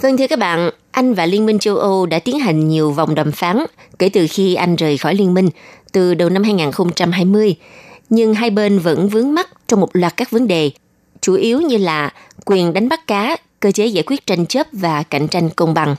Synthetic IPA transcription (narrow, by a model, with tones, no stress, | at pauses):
və˧nt̪ʰɨ˧əkaː˦˥k̚ɓa̰ː˧˨n | ʔa˧jŋ̟vaː˨˩li˧ənmi˧ŋ̟t͡ɕə˧wʔə˧wɗa̰ː˧˥t̪i˨˦ənɦa˨˩jŋ̟ɲi˨˩əwva˨˩wŋ͡mɗɔ˨˩mfaː˨˦n | kḛ˧˩t̪ɨ˨˩xi˧ʔa˧jŋ̟zəː˨˩jxɔ˧˩jli˧ənmï˧ŋ̟t̪ɨ˨˩ɗə˨˩wna˧mhaː˧jŋaː˨˩nxə˧wŋ͡mt͡ɕa˧mɦaː˧jmɨ˧əjɲɨ˧ŋɦaː˧jɓe˧nvə̰˧˥nvɨ˨˦əŋma˦˥t̚t͡ɕɔ˧wŋ͡mmo˨˩t̚lwaː˨˩t̚kaː˦˥k̚və˨˦nɗe˨˩ | t͡ɕu˧˩ʔi˨˦wɲɨ˧laː˨˩ | kwi˨˩ənɗa˨˦ŋ̟ɓa˦˥k̚kaː˨˦ | kəː˧t͡ɕe˨˦za̰ː˧˨jkwi˦˥ət̚t͡ɕa˧jŋ̟t͡ɕə˦˥p̚vaː˨˩ka̰˧˩jŋ̟t͡ɕa˧jŋ̟kə˧wŋ͡mɓa˨˩ŋ